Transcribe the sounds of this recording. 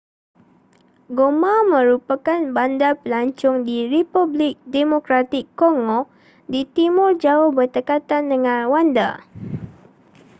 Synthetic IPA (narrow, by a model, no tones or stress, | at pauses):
ɡomãmə̃ɾupakanbandapəlaɲt͡ʃʊŋdiɾipublɪk̚demokɾat̪ɪkːoŋɔ̃ | dit̪imʊrd͡ʒaʊhbərt̪əkat̪andəŋãnwanda̰